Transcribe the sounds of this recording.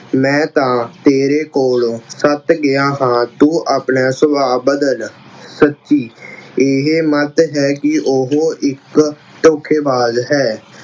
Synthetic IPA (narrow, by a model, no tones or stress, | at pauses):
mɛ̃ːt̪ãːt̪eːɾeːkoːlõːsət̪ɡɪãːɦãːt̪ũːʔaːpɳaːsʊbʱaːbəd̪əl | sətːʃiːeɦeːmət̪ɦɛːkɪʔʊɦoːʔɪk | ʈoːkʰeːbaːzɦɛː